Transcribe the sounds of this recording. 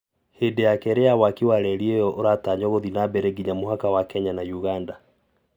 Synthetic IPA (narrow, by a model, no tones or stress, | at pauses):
hedejakɛɾejawakiwaɾɛɾiejɔʔoɾataɲɔɣoðinabɛɾeɡiɲamoɦakawakɛɲanajuɣanda